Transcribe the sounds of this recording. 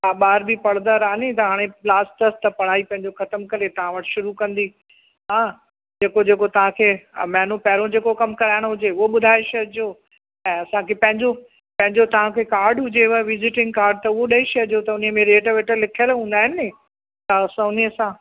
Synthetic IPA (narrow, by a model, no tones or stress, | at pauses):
aɓaːɾbipɐɽd̪əɾaːnɪt̪ɐɦaːɽ̃ẽlaːsʈʈɐst̪ɐpɐɽ̤aːipɐ̃ɦɪ̃ɲd͡ʑoxɐt̪əmkɐɾet̪ɐʋ̤ãʋɐʈɪʃʊɾukɐ̃nd̪i | ɦãː | d͡ʑeːkod͡ʑeːkot̪ɐʋ̤ãkʰeːmɛːnopɐɦɾõd͡ʑeːkokɐmkɐɾaːɪɽ̃ɦʊd͡ʑeʊɦoɓʊd̪ʱaːɪʃɐd͡ʑo | ɛ̃ːɐsãkʰepɐ̃ɦɪ̃ɲd͡ʑo | pɐ̃ɦɪ̃ɲd͡ʑot̪ɐʋ̤ãkʰekaːɾɖɦʊd͡ʑeʋɐʋɪzɪʈɪ̃ŋɡ̚kaːɾɖt̪ɐʊɦoɗɐiʃɐd͡ʑot̪ɐʊnimẽɾeːʈʋeːʈəlɪkʰjəlɦũːn̆d̪aːɦɪnɪɪ | t̪ɐsɐʊnisãː